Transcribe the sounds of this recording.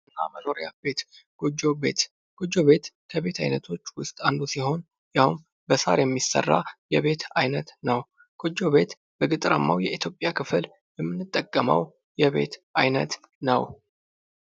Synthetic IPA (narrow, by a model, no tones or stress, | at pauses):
ɨnːa̰məno̞ɾija̰be̞t̪ɡ̥ʼod͡ʒo̞be̞̰t̪ | ɡ̥od͡ʒːo̞βe̞t̪kʰəβe̞t̪ʰajnət̪ʰo̞t͡ʃːwʊst̪ʼand̪usiho̞n | jawun | bəsa̰ɾjɛmːisə̰rːa̰jɛβe̞t̪ajnət̪nəw | ɡ̥od͡ʒːo̞βe̞t̪ | bəɡɨt̪ʼɾəmːawjɛit̪ʰjo̞pʼːjakʰɨfl | jɛmːɨnːɨt̪ʼːəkʼːəmə̰w | jɛβe̞̰t̪ʔajnə̰t̪ | nə̰w